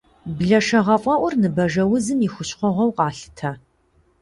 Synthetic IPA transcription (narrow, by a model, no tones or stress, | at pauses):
bɮɐʂɐʁɐfʼɐʔʷʊrnɨbɐʒɐwʊzɨmixʷʊɕχʷɔʁɐwqʼɑːɬɨ̥tʰɐ